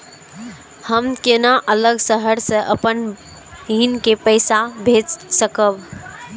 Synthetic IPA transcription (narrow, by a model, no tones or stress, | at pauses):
həmkenaʔələɡsəɦəɾsə̃ʔəpən | ɦinkepəɪsabʱed͡ʒsəkəb